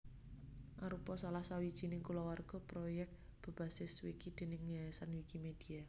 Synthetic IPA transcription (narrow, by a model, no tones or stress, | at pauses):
ʔaɾupɔsalahsawid̥ʒ̥i̤nɪŋkulɔwarɡ̥ɔ̤pɾojɛk̪̚b̥ə̤b̥a̤sɪswikid̪̥e̤nɪŋːaasanwikimed̪̥i̤a